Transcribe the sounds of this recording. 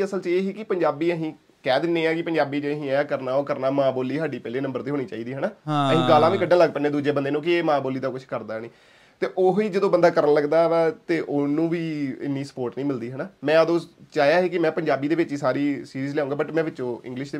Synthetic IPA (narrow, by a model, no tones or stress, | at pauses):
əsəlt͡ʃeːɦiːkɪpəɲd͡ʒaːbiːəɦĩː | kɛːd̪ɪnːẽːɛːkɪpəɲd͡ʒaːbiːd͡ʒəɦĩːɛːkəɾnaːoːkəɾnaːmãːboːlːiːɦaːɖiːpɛːleːnəmbəɾd̪iːɦoːniːt͡ʃaːiːd̪iːɦənaːɦəɦĩːɡaːlãːʋiːkəɖːãːləɡpənẽːd̪uːd͡ʒeːbənd̪eːnũːkɪeːmãːboːliːd̪akʊt͡ʃʰkəɾd̪aːnĩː | t̪eːʔoːɦiːd͡ʒəd̪õːbənd̪aːkəɾənləɡd̪aːʋɛt̪eːʔoːnũːʋiːɪ̰nːiːsə̥poːɾʈnĩːmɪld̪iːɦənaːmɛ̃ːəd̪õːt͡ʃaːjaːɦeːkɪmɛ̃ːpəɲd͡ʒaːbiːd̪eːʋɪt͡ʃiːsaːɾiːsiːɾiːzleɛːũːŋɡaːbəʈmɛ̃ːʋɪt͡ʃːõːɪ̰̃ŋɡlɪʃd̪eː